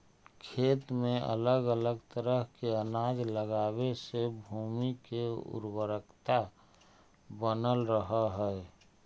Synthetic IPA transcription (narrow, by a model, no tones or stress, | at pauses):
kʰeːt̪mẽə̰ləɡələɡt̪əɾəɦkeənaːd͡ʒ̪ləɡaːwesebʱuːmikeʊ̰ɾwəɾəkt̪a | bənəlɾəɦaɦɛɛ